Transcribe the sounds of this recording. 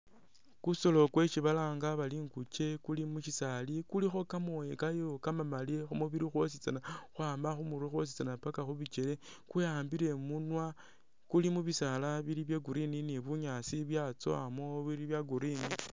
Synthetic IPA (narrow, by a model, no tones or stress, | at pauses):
kuso̞lo̞kwe̞t͡ʃiβalaŋɡaβaliŋɡut͡ʃe̞kulimuʃisalikulixo̞kamo̞jekajokamamalixomuβiɾixwos̬it͡sanaxwaːmbaxumuɾixwo̞s̬it͡sanapakaxuβit͡ʃe̞le̞ | kwujaːmbiɾe̞munwa | kulimuβisalaβiliβjaɡuɾininiβuɲasiβjat͡so̞̰a̰moβiliβjaɡuɾini